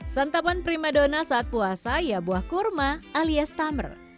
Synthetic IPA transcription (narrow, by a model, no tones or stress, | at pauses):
sant̪apanpɾimadonasaːt̪̚puasajabuahkurmaʔaliast̪amə̰r